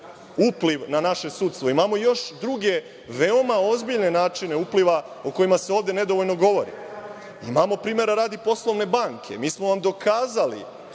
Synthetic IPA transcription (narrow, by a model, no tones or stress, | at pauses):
upliʋnanaʃe̞suːt̪st̪ʋo̞imamo̞jo̞ʃd̪ɾuɡe̞ | ʋeo̞mao̞zbiʎne̞naːt͡ʃine̞upliʋa | oko̞jimaseo̞ːʋd̪e̞ne̞d̪oʋoʎno̞ɡo̞ʋo̞ɾḭ | imamo̞pɾiːmeɾaɾaːd̪ipo̞slˠo̞ʋne̞baŋkʰe̞̰miːsmoʋamd̪o̞kʰaːzalḭ